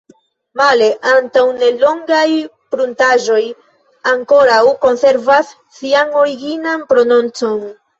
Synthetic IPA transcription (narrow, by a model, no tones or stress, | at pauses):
male̞ʔantawne̞lo̞ŋɡaj | pɾuntaʒo̞j | aŋko̞ɾawko̞nse̞ɾvasːiano̞ɾiɡinanpɾo̞no̞nt͡so̞n